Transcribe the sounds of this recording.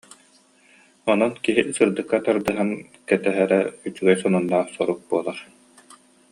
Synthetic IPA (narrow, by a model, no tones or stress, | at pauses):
ɔnɔnkiɦisɯɾd̪ɯkːat̪aɾd̪ɯɦan | kɛt̪ɛɦɛɾɛyt͡ʃyɡɛjsɔnunːaːχsɔɾuk̚buɔlˠaχ